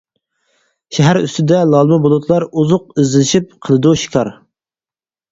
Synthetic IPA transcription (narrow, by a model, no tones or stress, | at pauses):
ʃɛɦæɾy̰st̪ɪd̪ɛlˠɑlˠmɨbolˠut̪ʰlˠɑɾuzʊqizɪlɪʃip̚qʰəlˠɨd̪uʃi̥kʰɑɾ